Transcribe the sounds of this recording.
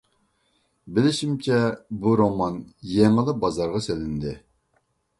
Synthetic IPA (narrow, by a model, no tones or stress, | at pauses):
bɪlɪʃimt͡ʃʰɛbuɾomɑnjeŋɨlˠɨbɑzɑɾʁɑselɪnd̪ɪ